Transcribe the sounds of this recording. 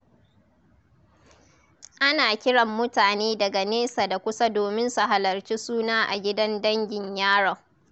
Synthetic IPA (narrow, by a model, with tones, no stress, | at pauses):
ʔa˦naː˨kʲɪ˦ɽɐ˨mːʊ˦taː˨neː˦dɐ˨ɡa˨neː˦saː˨da˨kʷʊ˦sa˦doː˨mɪ˦nsu˨ɦa˨lɐ˨rt͡ʃiː˦suː˦naː˦ʔa̰˨ɡʲɪ˦dɐ˦ndɐ˦ŋɡʲɪ˨ɲjaː˦ɽɔ˨